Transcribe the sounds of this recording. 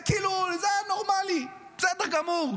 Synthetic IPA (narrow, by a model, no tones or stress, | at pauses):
kilulzɛnoʁmali | zɛd̪ɛʁɡamuʁ